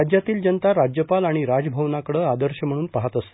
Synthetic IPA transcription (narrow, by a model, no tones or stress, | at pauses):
ad͡ʑjat̪iːld͡ʑənt̪aɾad͡ʑjəpalaɽ̃iɾad͡zbʱəwnakəɽəːad̪əɾɕəm̤əɽuːnpaɦat̪əst̪